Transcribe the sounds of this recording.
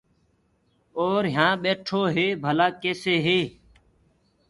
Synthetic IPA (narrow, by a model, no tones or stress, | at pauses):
oːɾɦjãːɓeːʈʰoːɦeːbʱəlaːkeːseːɦeː